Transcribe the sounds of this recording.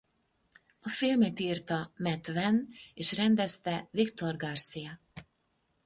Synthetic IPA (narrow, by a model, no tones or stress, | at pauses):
ɒfilmɛt̪iːrt̪ɒmɛt̪vɛneːʃrɛnd̪ɛst̪ɛvikt̪o̞rɡɒrsijɒ